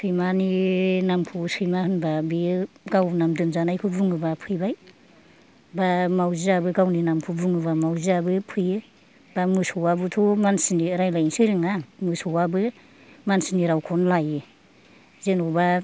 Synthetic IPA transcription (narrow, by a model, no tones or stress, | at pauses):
pʰɯjmaninampʰusɯjmahɯnbabiɡawnamdɯmzanajkʰubɯŋɯbapʰɯjbaj | bamawziabɯɡawninampʰubuŋɯβamawziabɯpʰɯjɯ | bamɯsɔwabɯtʰɔmansiniɾajlajnsɯɾɯŋamɯsɔwabɯ | mansiniɾawkʰɔnlajɯ | zenɔba